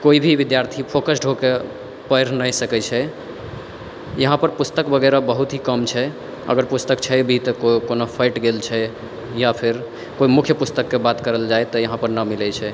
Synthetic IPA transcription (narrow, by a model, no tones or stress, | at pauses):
koibʱiʋid̪jaɾt̪ʰipʰokəsɖʱoke | pəɾnəjsəkɛt͡ʃʰɛ | jəɦãpəɾpust̪əkbəɡɛɾabəɦut̪ɦikəmt͡ʃʰɛ | ə̰ɡəɾpust̪əkt͡ʃʰɛbʱit̪ɔkokonopʰaɪʈɡelt͡ʃʰɛ | japʰiɾ | koimukʰjəpust̪əkːebat̪kəɾəld͡ʒaet̪ɔjəɦãpəɾnəmilɛt͡ʃʰɛ